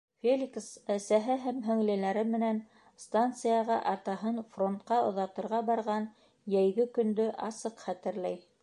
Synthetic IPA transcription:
fʲelʲiksæsæɦɘɦæmɦɵ̆ŋlɘ̆læɾɘmɘ̆næn | st̪ant̪sɨjɑʁɑʔɑɾt̪ɑɦɤnfro̞nt̪qɑŏðɑt̪ɤ̆ɾʁɑbɑɾʁɑn | jæjɡɘkɵ̆nd̪ɵʔɑ̰sɤqχæt̪ɘ̆ɾlæj

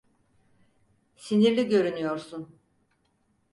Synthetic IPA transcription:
siniɾlʲiɟø̞ɾynyjo̞ɾsun

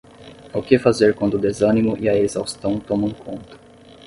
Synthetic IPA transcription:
akɪfazeɾkwɐ̃nd̪ʊd̪ezɐ̃nimʊʔiɐezawst̪ɐ̃w̃t̪õmɐ̃kʰõnt̪ɐ̥

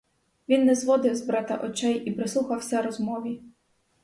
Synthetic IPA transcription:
ʋʲinːɛzʋɔd̪ɪwzbɾɑt̪ɐ̰ʔɔt͡ʃɛjipɾɪsˠuxɐwsʲɛɾɔzmɔʋʲi

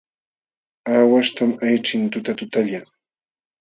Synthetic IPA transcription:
aːwaʃt̪amajʈ͡ʂɪnt̪ʊt̪at̪ʊt̪aʎaŋ

